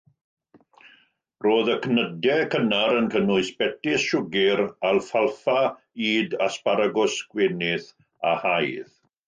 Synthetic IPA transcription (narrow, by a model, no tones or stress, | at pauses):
roːðəkʰnədɛkʰənaɾənkʰənʊɨsb̥ɛtɪsʃʊɡɪɾalfalˠfa | iːdaspaɾaɡʊsɡ̥wenɪθ | ahajð